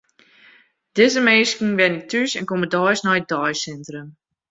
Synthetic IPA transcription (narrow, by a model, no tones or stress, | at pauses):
d̥ɪzəmeːskŋ̩ʋɛnɪk̚tysɛnkomədɔjsnɔjədɔjsɛntrəm